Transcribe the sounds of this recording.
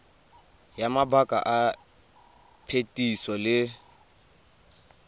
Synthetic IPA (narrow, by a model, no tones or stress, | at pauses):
jamabakʼa̰ʔa | pʰetʼisɔlɪ